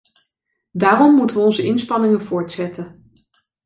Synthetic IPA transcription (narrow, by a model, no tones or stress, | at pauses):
daːrɔmːutəʋəɔnzəʔɪnspɑnɪŋənvʊːɹtsɛtən